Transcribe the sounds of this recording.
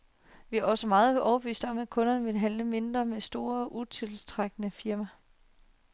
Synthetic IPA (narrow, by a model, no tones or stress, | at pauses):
ʋiæɒ̽səmɑ̈ːð̞̩ˠbˠɒʊɐb̥əʋḭːsd̥ɒ̽mæ̥kʰɔ̽nɐnəʋe̝ləɦæn̰ləme̝nd̥ʁɐmesd̥o̝ːɐɒʔut͡sʰe̝lt͡sʰʁaɡ̥ənəfiɐmæ